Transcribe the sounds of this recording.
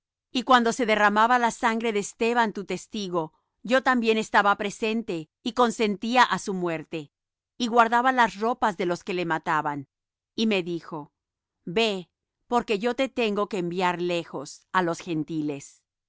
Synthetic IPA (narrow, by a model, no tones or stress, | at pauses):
ikwand̪o̞se̞ðe̞ramaβalasaŋɡɾe̞ðeːst̪e̞βant̪ut̪e̞st̪iɣo̞ | ɟ͡ʝo̞t̪ambje̞ne̞st̪aβapɾe̞se̞nt̪e̞ | iko̞nse̞nt̪iaʔasumwe̞ɾt̪e̞ | iɣwaɾðaβalasro̞pazðe̞lo̞ske̞le̞mat̪aβan | ime̞ðixo̞ | be̞ | po̞ɾke̞ʝo̞t̪e̞t̪e̞ŋɡo̞keːmbjaɾle̞xo̞salo̞sxe̞nt̪ile̞s